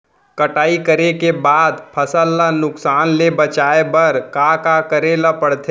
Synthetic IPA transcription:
kəʈaːikəɾekebaːd̪pʰəsəlːanʊksaːnlebət͡ʃaːebəɾkakakəɾelapəɽt̪ʰe

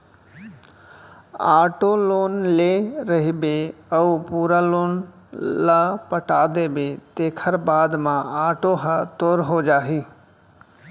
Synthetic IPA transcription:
aːʈoːloːnleːɾəɦibeəupuːɾaːloːn | lapəʈaːd̪eːbet̪eːkʰəɾbaːd̪mãaːʈoɦət̪oːɾɦod͡ʒaːɦiː

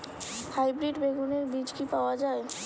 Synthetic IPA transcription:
hajbɾiɖbeɡuneɾbid͡ʒkipaoad͡ʒae

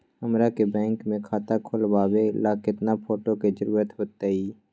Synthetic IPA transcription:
hɐmɾakebɛ̃ːŋkmẽkʰaːt̪akʰʊlbaːwelakɪt̪napʰoːʈoked͡ʒəɾuːɾət̪ɦoːt̪eiː

